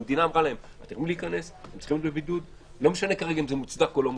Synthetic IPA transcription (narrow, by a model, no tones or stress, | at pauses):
med̪inaːmʁalaema̰t̪iʁmiliːkane̞semtt͡si̥χimbevbid̪ud̪ | lo̞meʃane̞kaʁe̞ɡaimzemut͡sd̪akolom